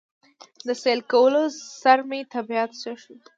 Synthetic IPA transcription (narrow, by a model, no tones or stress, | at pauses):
d̪əselkawəlosaɾmet̪abijat̪saʂu